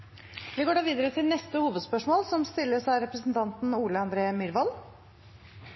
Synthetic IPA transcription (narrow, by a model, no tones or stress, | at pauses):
ʋɪɡoːɖɑːʋiːd̪əɾət̪ʰɪlnɛst̪əhuːʋəd̪spœʂmoːlsɔmst̪ɪlːəʂæɪɾɛpɾəsn̩t̪ʰɑnt̪n̩uːləɑnd̪ɾeːəmʏɾʋɑl